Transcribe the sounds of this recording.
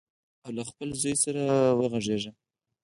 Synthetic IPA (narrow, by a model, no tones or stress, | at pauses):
awlaxpəlzɑjsaɾawəɣaʐeʐa